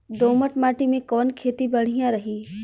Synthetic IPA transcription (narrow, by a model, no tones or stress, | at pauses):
d̪oːməʈmaːʈimẽkɔːnkʰeːt̪ibɐɽ̤ijãɾɐɦiː